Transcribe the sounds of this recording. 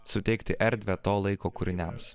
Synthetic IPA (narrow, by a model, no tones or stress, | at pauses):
sʊt̪ʲɛɪkt̪ʲɪʔɛɾʲd̪ʲʋʲɛt̪oːlˠɐɪkoːkʊɾʲɪnʲɛms